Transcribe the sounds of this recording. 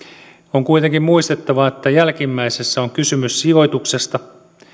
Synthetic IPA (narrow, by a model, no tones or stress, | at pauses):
oŋkuijt̪eŋkimmuist̪et̪ːɑʋɑet̪ːæjælkimːæisesːæoŋkysymyssio̞jt̪uksest̪ɑ